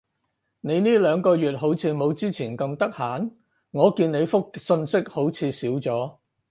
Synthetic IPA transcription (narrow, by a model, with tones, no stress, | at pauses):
ne˨˧jniː˥lœː˨˧ŋkɔː˧jyː˨t̚ɦo˨˥wt͡sʰiː˨˧mo˨˧wt͡siː˥t͡sʰiː˨˩nkɐ˧mt̪ɐ˥k̚haː˨˥n | ŋɔː˨˧kiː˧nne˨˧jfʊ˥k̚sɵ˧nsɪ˥k̚ho˨˥wt͡sʰiː˨˧siː˨˥wt͡sɔː˨˥